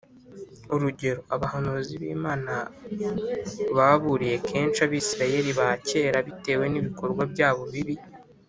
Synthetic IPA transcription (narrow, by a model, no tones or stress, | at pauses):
uɾuɟe̞ɾoaβahanuziβḭːmaːna | βaβuɾije̞kʰe̞ːnt͡ʃaβiːsiɾaje̞ɾiβace̞ːɾaβite̞ːwe̞niβiko̞ɾɡwabɟaːβo̞βiβi